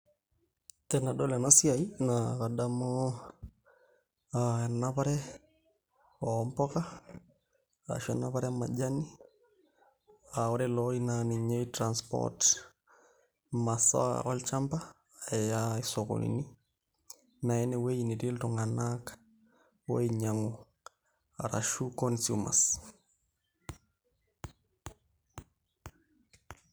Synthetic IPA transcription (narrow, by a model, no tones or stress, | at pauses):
tɛnadolanasiainakadamo | anapaɾɛ | ɔmpɔka | a̰ʃɔnapaɾɛmad͡ʒani | aɔɾɛlɔinaniɲeitɾanspɔ̰t | masa̰ɔlt͡ʃamba | ajaisɔko̰lḭni | nainɛwejinitiltɔŋanaka | wo̰iɲaŋu | a̰ɾaʃukɔnsuma̰s